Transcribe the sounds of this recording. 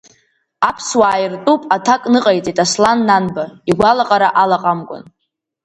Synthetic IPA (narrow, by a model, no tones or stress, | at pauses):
apʰswaːjɪrtʼupʼatʰakʼnɨqʼajt͡sʼitʼaslanːanbaiɡʷalaqʼaɾaʔalaqʼamɡʷʼʊ̰n